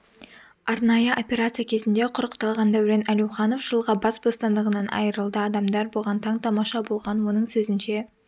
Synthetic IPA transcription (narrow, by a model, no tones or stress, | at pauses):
ɑɾnɑjəʔo̞pʲe̞ɾat̪sɨjakʲʰe̞zɪnd̪e̞qʰʊɾəqt̪ɑlˠʁɑnd̪ɑwɾenælewχɑno̞fʒ̥əlˠʁɑbɑsbo̞st̪ɑnd̪əʁənɑnʔɑ̰jəɾəlˠd̪əɑd̪ɑmd̪ɑɾbolˠʁɑnt̪ʰɑɴt̪ʰɑmɑʃɑbo̞lˠʁɑnwo̞nəɴsɵzɪnʃe̞